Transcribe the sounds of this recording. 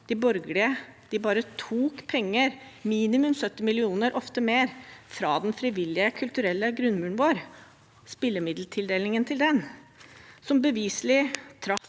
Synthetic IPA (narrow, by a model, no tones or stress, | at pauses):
d̪̥ɪbɔɾɡlɪəd̪̥ɪbɑːɾət̪ʰuːkpʰɛŋːəɾmiːnɪmʉmsœt̪ːɪmɪlɪuːnəɾʔɔft̪əmeːɾfɾɑ̰ːd̪ɛnfɾɪʋɪlːɪəkʰʉlt̪ʉɾɛlːəɡɾʉnːmʉːɳʋoːɾ | spɪlːəmɪd̪l̩t̪ʰɪld̪eːlɪŋənt̪ʰɪld̪ɛn | sɔmbəʋiːslɪt̪ʰɾɑ